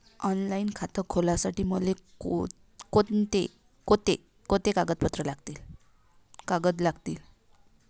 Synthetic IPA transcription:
ɔnlainkʰat̪əkʰolasaʈiːməleko | kot̪e | kot̪e | kot̪ekaɡət̪̚pət̪ɾəlaɡt̪iːl | kaɡət̪laɡt̪iːl

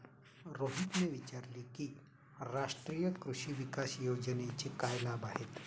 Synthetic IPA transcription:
ɾoːɦit̪neʋit͡ʃaːɾliki | ɾaːʃʈɾijəkɾuʃiʋikaːsjoːd͡ʒənet͡ʃekaːjlabaːɦet̪

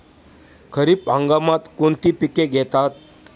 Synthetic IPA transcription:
kʰəɾipãŋɡamat̪kont̪iːpikeɡʱɛt̪at̪̚

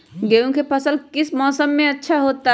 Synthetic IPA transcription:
ɡeːũkʰepʰəsəlkɪsmɔːsəmːẽətːʃʰaɦoːt̪a

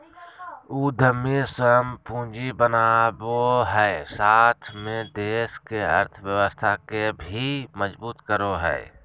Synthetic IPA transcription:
uːd̪ʱəmːisəmpũːd͡ʒibənaboɦɛsaːt̪ʰmẽd̪eːskeəɾt̪ʰwjəwəst̪ʰakebʱiməzbuːt̪kəɾoɦɛ̰ɪ

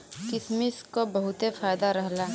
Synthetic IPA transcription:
kɪsmɪskobɐɦʊt̪efaːjd̪aɾɐɦlaː

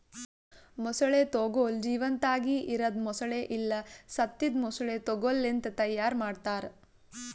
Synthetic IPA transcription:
mɔsɐɭet̪oɡoːld͡ʒiːʋɐnt̪aːɡiʔiɾɐd̪mɔsɐɭeʔilːɐsɐt̪ːid̪mɔsɐɭeːt̪oɡolːent̪ɐt̪ɐjːaːɾmaːɖt̪aːɾ

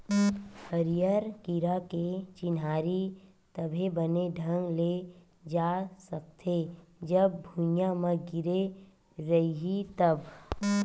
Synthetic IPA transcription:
həɾijəɾkiɾaket͡ʃɪnaːɾi | t̪əbʱebəneɖʱə̃ŋɡle | d͡ʒaːsək̚t̪ʰed͡ʒəb̚ːʱũjãmə̃ɡɪɾe | ɾɐɦiɦit̪əb

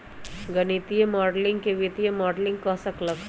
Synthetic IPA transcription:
ɡɐnit̪ijemɔːɖlɪ̃ŋɡkeʋit̪ijəmɔːɖlɪ̃ŋɡ̚kɐsɐklək

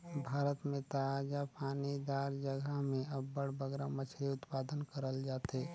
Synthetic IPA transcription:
bʱaːɾət̪mẽt̪əaːd͡ʒapaːnid̪aːɾd͡ʒəɡəɦmẽɐbːəɽbəɡɾamət͡ʃʰeʊt̪paːd̪ənkəɾəld͡ʒaːt̪eː

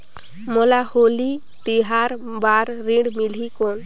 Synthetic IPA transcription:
mɔlaholi | t̪iɦaɾ | baɾːiɖmil̤ikɔn

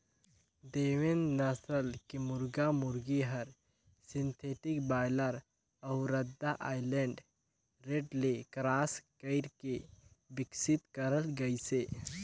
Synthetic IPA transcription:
d̪eːʋenːɐsəlkemʊɾɡamʊɾɡiɦɐɾ | sɪ̃nt̪ʰeːʈɪkbaːjləɾ | ɐʊɾɐd̪ːaʔaːɪlɛ̃ɳɖ | ɾeːɖlekɾaːskəɪɾkebɪksɪt̪kəɾəlɡəiseː

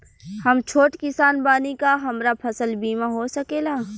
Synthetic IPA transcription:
hɐmt͡ʃʰoːʈkɪsaːnbaːnikaɦɐmɾapʰɐsəlbiːmaɦosɐkeːlaː

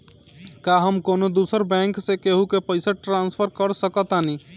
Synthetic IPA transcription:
kaɦəmkonod̪usəɾbɛ̃ŋksekeɦukepəɪsəʈɾãnspʰəɾkəɾsəkət̪ani

